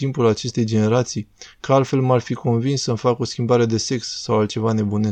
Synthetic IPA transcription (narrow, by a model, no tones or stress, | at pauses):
impulat͡ʃe̞st̪e̞jd͡ʒe̞ne̞ɾat̪sijkəalt̪fe̞lmarfiko̞nvinsːəmfako̞skʲimbaɾe̞d̪e̞se̞ksːawalt̪̚t͡ʃe̞vane̞bune